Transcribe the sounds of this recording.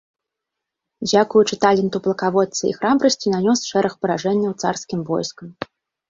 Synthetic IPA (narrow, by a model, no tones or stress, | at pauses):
d͡zʲakujut͡ʂɨt̪alʲɛnt̪uplˠɐkavɔt̪sɐḭxɾabɾɐsʲt͡sʲinanʲɔsʂɛɾɐxpɐɾaʐɛnʲːɐwt̪sarskʲimvɔ̰jskɐm